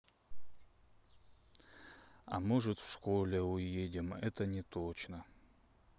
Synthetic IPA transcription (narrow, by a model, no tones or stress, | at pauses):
a̰mɨʐɨt̪fʂkolʲeujedʲɪmɛt̪ʰɐnʲɪt̪ʰot͡ʃnɐ